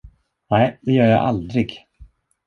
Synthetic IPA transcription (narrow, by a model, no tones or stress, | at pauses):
nɛɪd̪ɛjœːɾja̰ʔa̰ld̪ɾɪɡ